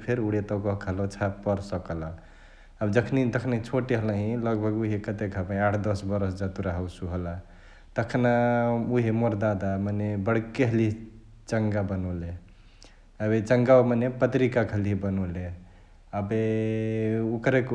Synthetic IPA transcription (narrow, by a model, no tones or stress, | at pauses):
pʰeɾuɽet̪ɔkəɦkʰəlot͡ʃʰapəɾsəkəla | əbd͡ʒəkʰnit̪əkʰnet͡ʃʰoʈeɦələɦĩləɡbʱəɡuɦikət̪ekʰəbãaʈʰd̪əsbəɾəsd͡ʒat̪uɾaɦəwsuɦəla | t̪əkʰnauɦimoɾd̪ad̪amanebəɽ̤keɦəli | t͡ʃəŋɡabənɔle | əbet͡ʃəŋɡamanepət̪ɾikakʰəliɦbənɔle | əbe | ukɾek